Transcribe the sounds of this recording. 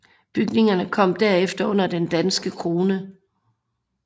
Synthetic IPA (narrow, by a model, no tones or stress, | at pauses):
b̥yɡ̥ne̝ŋɐnəkʰɒ̽m̰d̥æɐefd̥ɐɔ̽n̰ɐd̥end̥ænsɡ̥əkʰʁo̝ːnə